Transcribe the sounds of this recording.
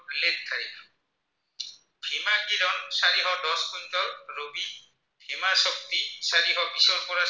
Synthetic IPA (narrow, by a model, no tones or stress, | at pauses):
lett̪ʰaɹi | bʱimakiɾɔnsaɹiɦɔdɔskuntɔːobi | b̥ʱimasɔk̚t̪isaɹiɦɔbisɔɹpɔɹa